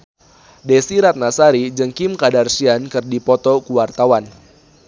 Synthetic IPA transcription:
dɛsiɾat̪̚nasaɾid͡ʒəŋkimkadarsiankɨrdipɔt̪ɔkuwart̪awan

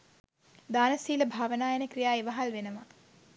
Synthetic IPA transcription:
d̪aːnɐsiːləbʱaːʋənaːjenəkrijaːeʋɐɦalʋenəma

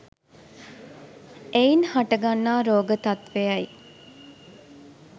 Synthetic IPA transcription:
einhaʈəɡanːaːɾoːɡət̪ɐt̪ʋejɐj

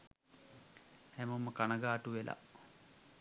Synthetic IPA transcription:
hæmuməkanəɡaːʈuʋelʔa̰

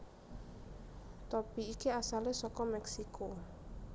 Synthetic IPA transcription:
t̪ɔpiːkiasalesɔkɔmɛksiko

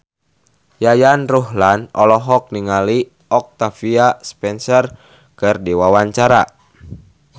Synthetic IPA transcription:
jajanruɦlanɔlɔɦɔk̚niŋali | ɔk̚t̪afiaspɛnsɔr | kɨrdiwawaɲt͡ʃaɾa

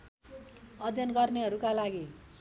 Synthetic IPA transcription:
ʌd̪ʱjʌnɡʌrneɦʌɾukalaɡi

